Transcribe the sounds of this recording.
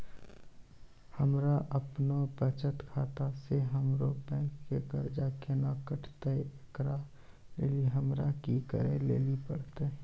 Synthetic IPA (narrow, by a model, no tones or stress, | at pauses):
həmɾaʔəpnopət͡ʃət̪kʰaːt̪aseɦəmɾobɛ̃ːŋkːekəɾd͡ʒaːkenakəʈʰt̪eekɾa | leliɦəmɾakikə̰ɾelḛːlipəɽt̪e